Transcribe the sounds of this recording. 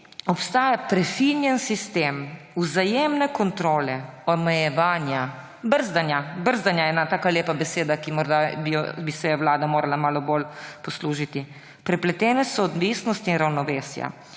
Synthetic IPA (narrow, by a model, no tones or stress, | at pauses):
ɔpst̪aːjapɾɛfinjɛnsist̪eːmuzajeːmnɛkɔnt̪ɾoːlɛɔmɛjɛʋaːnja | bəɾzd̪anjabəɾzd̪anjaɛːnat̪aːkaleːpabɛseːd̪akimɔɾd̪abij̰bisɛjɛwlaːd̪amoːɾalamaːlɔbolpɔsluːʒit̪i | pɾɛplɛt̪ɛːnɛsɔːd̪ʋiːsnɔst̪inɾawnɔʋeːsja̰